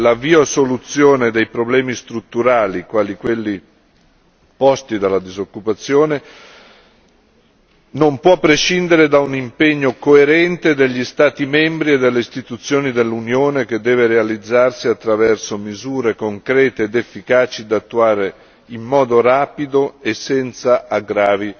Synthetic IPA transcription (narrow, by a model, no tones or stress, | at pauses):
laviːosolut̪sːjoːned̪ejpɾoblɛːmist̪ɾut̪ːuɾaːlikwaːlikwelːi | pɔst̪id̪alːad̪izokːupat̪sːjoːne | nompwɔpːɾeʃind̪eɾed̪aunimpeɲːokoeɾɛnt̪ed̪eʎːist̪aːt̪imɛmbɾied̪elːeist̪it̪ut̪sːjoːnid̪elːunjoːnek̟ed̪ːɛːveɾealid̪zːarsiat̪ːɾavɛrsomizuːɾekoŋkɾɛːt̪eːd̪efːikaːt͡ʃid̪at̪ːuaːɾe | imːɔːd̪oɾaːpid̪oesːɛnt̪saʔaɡɾaːvi